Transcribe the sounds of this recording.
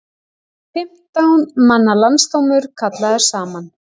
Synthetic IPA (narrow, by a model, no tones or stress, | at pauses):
fɪm̥t̪awnmanːalanst̪owmʏɾ̥kʰat̪laðɛɾ̥saːman